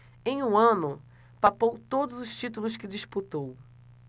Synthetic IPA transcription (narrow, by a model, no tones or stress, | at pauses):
ẽj̃ũɐ̃nʊ | papowt̪od̪ʊzʊʃt͡ʃit̪̬ulʊskɪd͡ʒiʃput̪ow